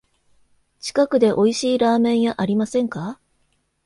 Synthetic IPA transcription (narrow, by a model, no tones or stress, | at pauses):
t͡ɕi̥kakɯ̟d̪e̞ʔo̞iɕiːɾaːmẽ̞ɰ̃jaʔaɾʲimasẽ̞ŋka